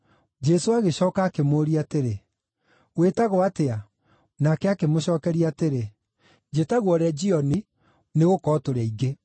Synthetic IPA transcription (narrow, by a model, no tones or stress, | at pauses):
d͡ʒɛsoaɣeɕɔːkaːkemoɾiateɾe | wetaɣɔatea | nakɛakemoɕɔːkɛɾiateɾe | d͡ʒetaɣwɔɾɛd͡ʒiɔni | neɣokɔtoɾɛiɣe